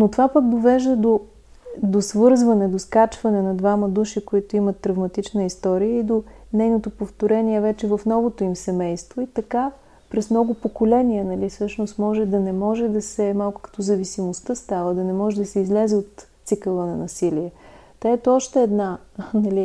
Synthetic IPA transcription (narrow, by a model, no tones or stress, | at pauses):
not̪ovapək̚d̪ovɛʒd̪əd̪o | d̪osvɤɾzvɐnɛd̪oskat͡ʃvɐnɛnɐd̪vaməd̪uʃikoit̪oimɐt̪ːɾɐvmɐt̪it͡ʃnəist̪ɔɾiəid̪onɛjnot̪opoft̪oɾɛniɛvɛt͡ʃɛvɐfnɔvot̪oimsɛmɛjst̪voit̪ɐka | pɾɛsmnɔɡʊpokolɛniənɐlisɤʃnost̪mɔʒɛd̪ɐnɛmɔʒɛd̪ɐsɛmalˠkʊ̥kɐ̥t̪ɔzɐvisimost̪əst̪avəd̪ɐnɛmɔʒɛd̪ɐsɛizlɛzɛot̪t̪ːsikəlˠənɐnɐsiliɛ | t̪aɛt̪ɔʃt̪ɛːd̪nanɐli